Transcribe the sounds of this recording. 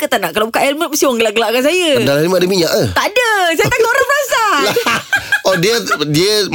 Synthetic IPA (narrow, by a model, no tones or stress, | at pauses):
kət̪anaʔkalobukaʔɛlmət̪̚məsiwaŋɡəlaʔɡəlaʔkans̬ajədalaɛlmədəmiɲaʔaht̪adəsajət̪akaoɾaŋbənasala | odiədiə